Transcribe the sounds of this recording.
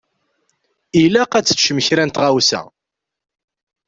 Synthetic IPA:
ilæqæt͡sːə̥t͡sːʃəməçɾænt̪ʁawsæ̰

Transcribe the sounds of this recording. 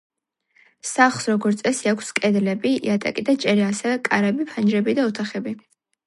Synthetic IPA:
saχsɾɔɡɔɾt̪sʼɛsiakʷʰskʼɛd̪lɛbiḭat̪ʼa̰kʼid̪at͡ʃʼɛɾiasɛvɛkʼaɾɛbipʰand͡ʒɾɛbid̪aɔt̪ʰaχɛbi

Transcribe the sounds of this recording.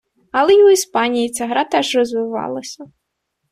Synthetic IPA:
ɐlˠɛjʊispɑnʲijit͡sʲaɦɾɑt̪ɛʒrɔzʋɪʋɑ̰lˠɐsʲɐ

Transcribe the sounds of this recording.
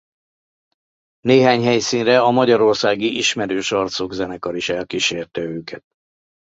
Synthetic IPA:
neːɦaːɲɦɛjsiːnrɛɒmɒɟɒɾo̞rsaːɡiʔiʃmɛɾøːʃɒrt̪soɡzɛnɛkɒɾiʃɛlkiʃeːrt̪ɛøːkɛt̪

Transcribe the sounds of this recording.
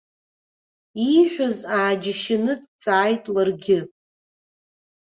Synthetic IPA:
iħʷᶣazaːd͡ʒɪʃɪnɨdt͡sʼaːjtʼlarɡʲɪ

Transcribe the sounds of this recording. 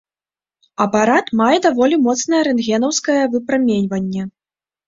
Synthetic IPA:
ɐpaɾat̪majɛd̪avɔlʲimɔt̪snɐjɐɾɛnɣʲɛnɐwskɐjɐvɨpɾamʲenʲvɐnʲːɛ

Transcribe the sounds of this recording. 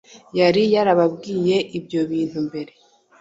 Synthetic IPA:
jaɾijaɾaβabɡiːje̞ʔibjo̞βiːn̥humbe̞ɾe̞

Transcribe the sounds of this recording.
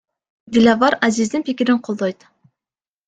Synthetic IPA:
d̪ʲilʲavɑɾazizd̪inpikʲɪɾiɴqʰolˠd̪ojt̪

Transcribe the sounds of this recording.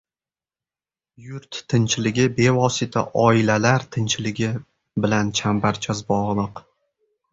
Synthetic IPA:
jʊɾt̪ʰːɪnt͡ʃʰɪlɪɡʲɪbe̞vɒsɪt̪ʰa̰ʔɒɪlalaɾt̪ʰɪnt͡ʃʰɪlɪɡʲɪ | bɪlant͡ʃʰambaɾt͡ʃʰazbɒʁlˠɨq

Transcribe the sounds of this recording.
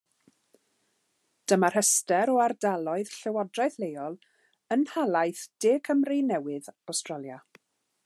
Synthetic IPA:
d̥əmar̥həstɛɾɔardalˠɔɨð̥ɬɛwɔdraɨθlejɔlˠ | ənhalˠajθd̥eːkʰəmrɨnɛwɪðawstralˠja

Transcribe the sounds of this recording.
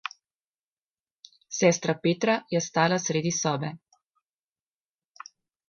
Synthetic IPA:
sɛːst̪ɾapeːt̪ɾajɛst̪aːlasɾeːd̪isɔːbɛ

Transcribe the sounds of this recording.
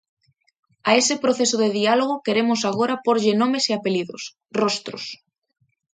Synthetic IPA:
aesepɾoθesoðeðialoɣ̞okeɾemosaɣ̞oɾapoɾʎenõmeseapeliðo̰s | rost̪ɾo̰s

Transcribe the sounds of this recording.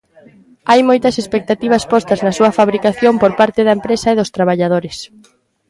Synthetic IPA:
ajmojt̪ɐsespek̚t̪at̪iβ̞ɐspɔst̪ɐznɐsuɐfaβɾikaθjompoɾpaɾt̪ɪðɐempɾesɐeðʊst̪ɾaβ̞aʎað̞oɾɪs

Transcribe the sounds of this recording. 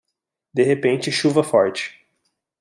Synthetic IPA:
d̪eɦepẽnt͡ʃɪʃuvɐfɔɾt͡ʃɪ̥

